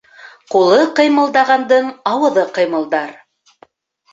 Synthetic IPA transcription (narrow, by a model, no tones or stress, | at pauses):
qulˠɤqɤ̆jmɤ̆lˠd̪ɑʁɑnd̪ɤɴɑwɤ̆ðɤqɤ̆jmɤ̆lˠd̪ɑɾ